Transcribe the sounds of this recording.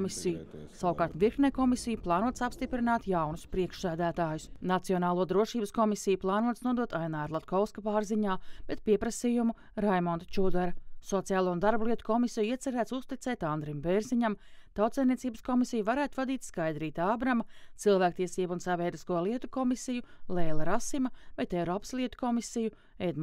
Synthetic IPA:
misijusawukaːɾt̪viɾknʲɛkɔmisijuplˠɑːnuɔt̪sapst̪ipɾinaːt̪jawnʊspɾiɛkʃsæːd̪æːt̪aːjʊsnat̪siɔnaːlˠuɔd̪ɾuɔʃiːbəskɔmisijuplˠɑːnuɔt̪snuɔd̪uɔt̪ajnaːɾlˠat̪kʰɔwskapaːɾziɲaːb̥et̪̚piɛpɾasijumu | ɾajmɔnd̪t͡ʃud̪aɾɐsɔt̪sijaːlˠuːund̪aɾbliɛt̪u̥kɔmisijuiɛt̪sɛɾæːt̪sust̪it̪ɛːt̪and̪ɾimbeɾziɲamt̪awt̪sɛːjnʲiɛtsiːbəskɔmisijuvaɾæːt̪uvad̪iːt̪ʲskajd̪ɾiːt̪aːbɾamat̪silˠvæːk̚t̪iɛsiːbuunsavʲɛːd̪iskuɔlˠiɛt̪ukɔmisijulˠeːlˠɐɾasimɐvajt̪ɛɾɔːpslˠiɛt̪u̥kɔmisiju | ed̪m

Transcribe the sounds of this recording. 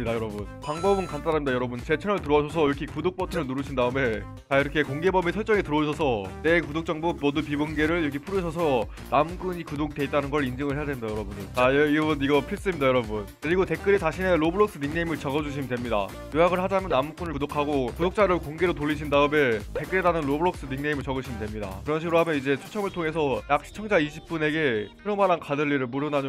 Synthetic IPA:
idajʌɾʌbunpaŋbʌbɯnkant͈ʰaɾamidajʌɾʌbunt͡ɕe̞t͡ɕʰeŋɯɭtɯɾoʌɕʰʌs̬ʰʌiɾʌkʰikudok̚p͈ʌtʰɯɾɯɭnuɾuɕʰindaɯme̞ | t͡ɕaiɾʌkʰe̞koŋɡe̞bʌmesʰʌɭt͡ɕ͈ʌŋetɯɾʌuɕʰʌsʰʌnekudok̚t͡ɕ͈ʌŋbumʌdupibonɡe̞ɾɯɭiɾʌkʰipʰuɾuɕʰʌsʰʌ | namɡuɲikudoɡ̚de̞it͈anɯnɡʌɭind͡ʑɯŋɯɭɦeadwe̞midajʌɾʌbundɯɭajiɾʌbuniɡʌpʰis͈ɯmɲidajʌɾʌbunkɯɾiɡote̞k͈ɯɾit͡ɕaɕʰineɾobɯɾʌk̚s͈ɯniŋne̞imɯɭt͡ɕʌɡʌd͡ʑuɕ̬ʰimindwe̞mɲida̰ | jojaɡɯɭhad͡ʑamjʌnːamuk͈unɯɭudokʰaɡokudok̚t͡ɕ͈aɾɯɭkoŋɡeɾotoɭːiɕ̬ʰindaɯmete̞k͈ɯɾedanɯnɾobɯɾʌk̚s͈ɯniŋne̞imɯɭt͡ɕʌɡɯɕʰimindwe̞mɲida̰kɯɾʌnɕʰiɡɯɾoɦamjʌnid͡ʑe̞t͡ɕʰut͡ɕʰʌŋɯɭtʰoŋes̬ʰʌjak̚ɕ͈ʰi̥t͡ɕʰʌŋd͡ʑaiɕʰip̚p͈une̞ɡe̞pʰeɾʌmaɾankadɯɭʎːiɾɯɭmuɾɯnaɲ

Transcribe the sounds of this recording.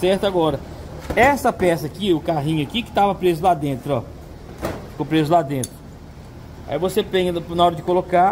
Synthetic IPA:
sɛɾt̪ʊaɡɔɾɐ | ɛsɐpɛsɐakiʊkaɦĩɲʊakikɪ̥t̪avɐpɾezʊlad̪ẽnt̪ɾʊɔ̰ | kõpɾezʊlad̪ẽnt̪ɾʊ | a̰ivosepẽɲɐnaɔɾɐd͡ʒɪkoloka

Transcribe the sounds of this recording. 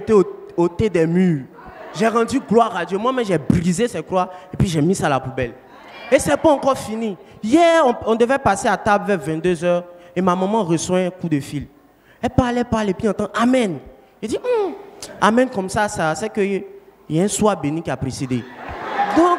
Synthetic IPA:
et̪eoot̪ed̪ɛmyːʁ | ʒɛʁɑ̃d̪yɡlwaʁad̪jomwamɛ̃ʒɛbʁizesɛt̪̚klwaepɥiʒɛmĩsalapubɛl | esɛpaɑ̃kɔʁfinijɛɔ̃ɔ̃d̪øvɛpaseat̪ablvɛʁvɛ̃d̪øzœʁemamãmɑ̃ʁəswɛ̃kud̪əfil | ɛlpalɛpalepiɑ̃t̪ɑ̃ʔamɛn | ʒed̪iamɛ̃nkɔmsasasɛkø | ɛɛ̃swabenĩkiapɾesed̪ed̪ɔ̃k

